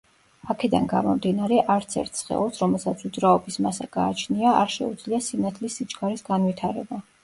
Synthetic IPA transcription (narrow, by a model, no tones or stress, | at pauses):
akʰɛd̪a̰nɡa̰mɔmd̪inaɾɛʔaɾt̪sʰɛ̰ɾt̪ʰsχɛ̰lˠɔsɾɔmɛlˠsat̪sʰud̪zɾaɔbismasaɡ̥aːt͡ʃʰniaaɾʃɛ̰ud̪z̥liasinat̪ʰlisːit͡ʃʼɡaɾisɡanvit̪ʰaɾɛ̰ba